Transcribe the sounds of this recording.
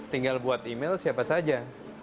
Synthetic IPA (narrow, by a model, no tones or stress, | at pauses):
t̪iŋɡalbuat̪imelsiapasad͡ʒa